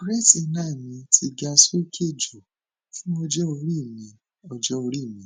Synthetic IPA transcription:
ɾɛ˦ti˦˨˦nãː˦˨mĩ˧tʰi˧ɡa˧so˦kʰe˦˨d͡ʒo˨ | fũ˦ɔ˧d͡ʒɔ˦o˧ɾi˦˨mĩ˨˧˨ | ɔ˧d͡ʒɔ˦o˧ɾi˦˨mĩ˨

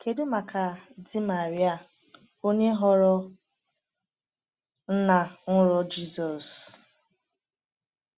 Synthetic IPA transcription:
kʰe˨dʊ˦ma˨kʰa˨dɪ˦ma˨ɾi˦a˦˨ | o˦ɲe˦ɦɔ˦ɾɔ˦ | n̩˦na˨ŋʊ˦ɾɔ˦d͡ʒi˦sɔ˨s

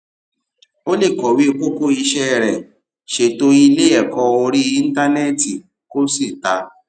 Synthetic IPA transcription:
o˦le˦˨kɔ˨wi˦o˧ko˦ko˦i˧ʃɛ˦˨ɾɛ˨ | ʃe˨to˦i˦˧˦le˦ɛ˦˨kɔ̃˧o˧ɾi˦i˦n̩˦ta˦nɛ˦˨ti˨ | ko˦si˦˨ta˧˦

